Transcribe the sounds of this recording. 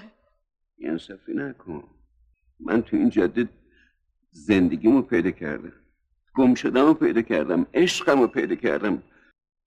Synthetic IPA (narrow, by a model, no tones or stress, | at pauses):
a̰nsæfinækʰon | mʔæ̰nt̪ʰuind͡ʒæd̪ːi | zend̪eɡʲimupʰejd̪ɒkʰæ̰ɾd̪æm | ɡ̥omʃod̪æmʊpʰejd̪ɒcʰæɾd̪æmeʃqæmopʰejd̪ɒcʲʰæ̰ɾd̪æm